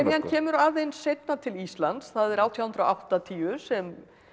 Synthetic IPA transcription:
ɾjancʰɛːmʏɾaðejnsejt̪̚nat̪ʰɪlist̪lant̪sθaðɛɾaːwt̪ʰjawhʏnt̪ɾoʔawht̪at̪ʰiːʏsɛm

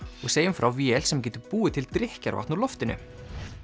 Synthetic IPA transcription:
ɔɣseːjʏmfɾʔawviɛlsɛmc̬ɛːt̪ʏpuːɪt̪ʰɪlt̪ɾɪhca̰ɾva̰ht̪nulɔft̪ɪnʏ̰

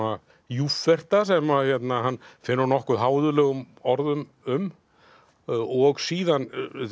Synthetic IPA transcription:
a | jufvɛr̥t̪asɛmaçɛt̪naɦanːfɪnːʏɾnɔhkʏðɦaːwðʏlɛːɣʏm | ɔɾðʏm | ʏm | ɔɣsiːðan

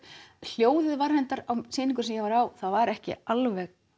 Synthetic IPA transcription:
l̥joːwðɪðvaɾ̥hɛnt̪aɾawsɪːniŋkʏ̥sɛmjɛɣvaɾaːwθaðvaɾɛhcɪ̰alvɛɣ

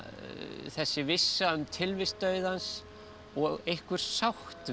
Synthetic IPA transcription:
θɛsːɪvɪsːaʏmt̪ʰɪlvɪst̪œɥðans | ɔɣejhkvʏɾ̥sawht̪

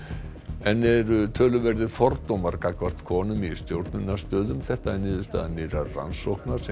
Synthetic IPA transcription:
ɛnɛɾʏt̪ʰœːlʏvɛɾðɪfɔɾt̪owmaɾkakvar̥t̪kʰɔːnʏmist̪jowɾt̪̚nʏnːast̪œːðʏmθɛht̪aɛnɪːðʏ̥st̪a̰ːðanɪɾara̰nsowhknaɾ̥sɛ

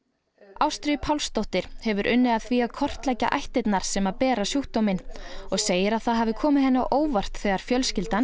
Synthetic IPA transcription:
awst̪ɾʏpʰawlst̪ɔwht̪ɪɾ̥hɛvʏɾʔʏnːɪaðθviaðkʰɔr̥t̪lɛjca̰ʔa̰jht̪ɪt̪naɾ̥sɛmaðpɛːɾasjuht̪ɔmɪnɔɣseːjɪɾaðθaðɦavðɪkʰɔːmɪðhɛnːʏaʔoːwvar̥t̪θɛːɣaɾ̥fjœlscɪlt̪an

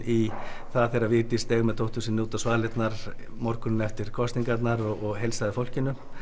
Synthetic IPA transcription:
i | θaðθeɾavɪɾt̪ɪst̪ɛːɣmɛðt̪ʰowht̪ʰusɪnuːt̪asvaːlɪt̪naɾ̥ | mɔɾkʏnʏnɛft̪ɪɾ̥kʰɔst̪iŋkat̪naɾɔɔɣɦejlsaðɪfowl̥cɪnʏ

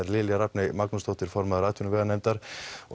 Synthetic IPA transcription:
aɾlɪljaɾapnɛjmaknʊsd̪ɔht̪ɪɾfɔɾmaðɾaːt̪junveanɛmt̪aɾ

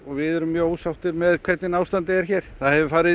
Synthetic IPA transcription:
ɔɣvɪðɛɾʏmːjœːɣoːwsawht̪ɪɾmɛðkʰvɛt̪nɪnawst̪ant̪ɪɛɾ̥çɛːɾ̥θaðhɛvɪfaːɾɪ

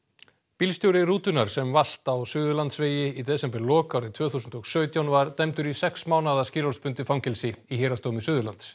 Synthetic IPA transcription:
pilst̪jowɾɪɾuːt̪ʏnaɾ̥sɛmval̥t̪awsʏːðʏlant̪sveːjɪit̪ɛsɛmpɛlɔːkawɾɪt̪ʰvœːθusʏnt̪ɔɣsœːɥt̪jawnvaɾt̪ɛmt̪ʏɾisɛksmaːwnaðasciːɾɔɾspʏnt̪ɪfɾawmcɛlsɪiheːɾast̪oːwmɪsʏːðʏlant̪s

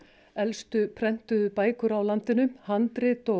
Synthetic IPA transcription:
ɛlst̪ʏpʰɾɛn̥t̪ʏðʏpaːjkʏɾawlant̪ɪnʏmhant̪ɾɪt̪ɔ

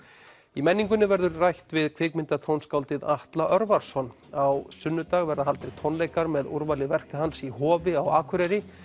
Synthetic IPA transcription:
imɛnːiŋkʏnɪvɛɾðʏɾrajht̪vɪðkʰvɪːkmɪnt̪at̪ʰownskawlt̪ɪðaht̪laʔœɾvaɾsɔn | awsʏnːʏt̪aɣvɛɾðaɦalt̪ɾɪt̪ʰɔwnleːjkaɾmɛðṵɾvalɪvɛr̥kaɦansihɔːvɪawaːkʰʏɾɛɾɪ

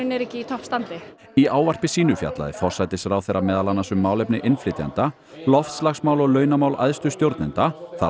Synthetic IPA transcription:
nɛɾɛhcɪit̪ʰɔhpst̪ant̪ɪ | iaːwvar̥pɪsiːnʏfja̰t̪la̰ðɪ̰fɔr̥sajt̪ɪsɾaːwθejɾːamɛːðalanːasʏmːaːwlɛpnɪʔɪnflɪːt̪ja̰nt̪a | lɔft̪slaxsmaːwlɔɣlœːɥnamaːwlʔa̰jðst̪ʏst̪jowɾt̪nɪnt̪aθa

